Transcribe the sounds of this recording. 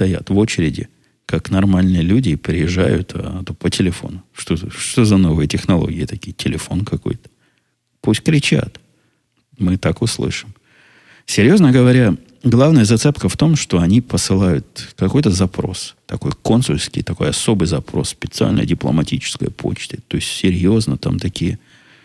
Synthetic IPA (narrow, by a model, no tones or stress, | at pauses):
t̪ɐja̰t̪vo̞t͡ɕɪɾʲɪdʲɪ̰ | kaknɐrmalʲnɨjəlʲudʲɪpɾʲɪjɪʐːa̰jʊ̰t̪at̪opətʲɪlʲɪfo̞̰nʊʂt̪oʂt̪ozɐno̞vɨjətʲɪxnɐlˠo̰ɡʲɪjət̪ɐkʲijtʲɪlʲɪfo̞nkɐko̞̰jt̪ə̥ | pusʲtʲkɾʲɪt͡ɕa̰t̪ | mɨt̪akʊslˠɨ̰ʂɨm | sʲɪɾʲjo̞znəɡəvɐɾʲa | ɡlˠavnəjəzɐt̪sɛpkəft̪o̞mʂt̪o̞ɐnʲipəsɨlˠajʊt̪kɐko̞jt̪əzɐpɾo̞̰st̪ɐko̞̰jko̞nsʊlʲskʲɪ̰jt̪ɐko̞jɐso̞bɨjzɐpɾo̞̰ssːpʲɪt̪sɨa̰lʲnə̰dʲɪplˠə̰mɐtʲit͡ɕɪ̥skə̰jə̰pʰo̞̰t͡ɕt̪ət̪o̞ɪsʲtʲsʲɪɾʲjo̞znət̪amt̪ɐkʲijə